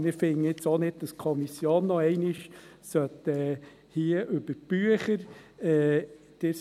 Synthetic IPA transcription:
nɪfɪŋɪt͡soːnɪd̚d̥ɑskʰɔmisjoːnːɔɛɪnɪʃ | sœt̪ɛ | hiəʔʉb̥əɾb̥yəχəɾɛː | d̥ɪ

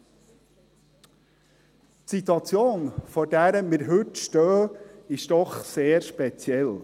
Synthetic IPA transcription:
tsit̪wɑt͡sjoːnfɔɾdæɾəmɪɾɦɵtʃtœːɪʃd̥ɔχseːɾʃpɛt͡sjɛl

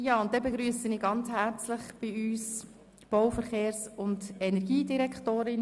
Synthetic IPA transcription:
jɑːʊnt̚d̥ɛbeɡɾyːəsəniːɡɑnt͡shɛɾt͡slɪχb̥iyːs | b̥ɔwfəɾχeːɾsʊndɛnɛɾɡiːdiɾɛkχtoːɾɪn

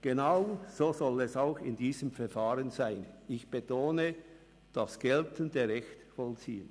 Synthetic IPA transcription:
ɡ̥enaʊz̥oːzɔlɛsaʊxɪ̰ndiːzəmfɛɐfaːʁənzaɪnɪçb̥etʰoːnə | d̥ɑsɡ̥ɛltəndəʁɛçtfɔlt͡siːən

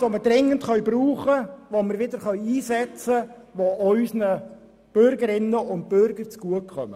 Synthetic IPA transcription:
oməɾd̥ɾɪŋːəntχœɥbɾuːχəʋoməɾʋɪd̪əɾχœɥiːsɛt͡sə | ʋoʔœʏsnə | b̥ʏɾɡəɾɪnːəʊnt̚b̥ʏɾɡəɾt͡sɡ̥uəkʰχœmə

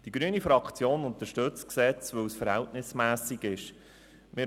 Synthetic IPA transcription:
d̥iɡ̥ɾyənifɾɑkχt͡sjoːnʊnt̪əʃtɵt͡sksɛt͡sʋɵwsfəɾhɛltnɪsmæːsiɡɪʃ | mɪ

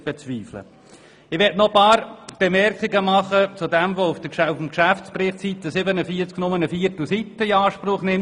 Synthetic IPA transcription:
b̥et͡sʋiːflə̰ | ɪʋɛtnɔpɑːɾb̥emɛɾkiɡəmɑχət͡sʊdɛmvoufd̥əkʃfm̩kʃæft͡sprɪχtsit̪ːəsɪbənəfiət͡sknʊmənəfiːɾtl̩sit̪ːəiɑːʃpɾʊχnɪm

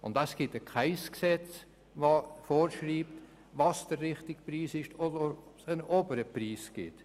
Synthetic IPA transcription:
ʊ̰ntasɡ̥ɪtəkχaɪsksɛt͡s | voːfoːɾʃriːpt | vɑsd̥əɾːɪχtɪɡ̥priːsɪʃtodəsənʔoːbəɾəpriːsɡ̥ɪt

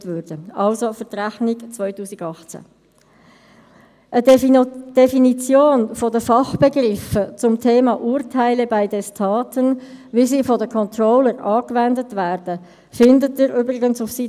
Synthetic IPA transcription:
tvøɾd̥əʔɑlsofətɾæχniɡt͡svœʏtuːsɪɡɑχt͡sæ̰ | ʔəd̥ɛfinit͡sjoːnfɔdəfɑχb̥ɛɡɾɪfət͡sʊmtʰeːmɑʔuːɾtʰaɪləbaɪdɛstʰɑːtənviːsiːfɔdəkʰɔntrɔːləɾʔɑːkvɛndətvæːrd̥ə | fɪndətɪɾyːbɾɪɡənsʊfsi

